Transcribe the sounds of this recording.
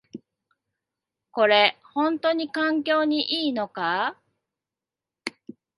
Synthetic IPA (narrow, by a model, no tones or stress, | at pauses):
ko̞ɾe̞hõ̞nt̪o̞ɲ̟ikãŋk̬ʲo̞ːɲ̟iʔiːno̞ka